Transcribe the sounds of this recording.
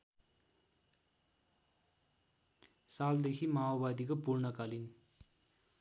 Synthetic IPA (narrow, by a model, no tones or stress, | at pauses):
saːld̪ekʰimaːʋaːd̪ikɐpuɾɳəkaːlin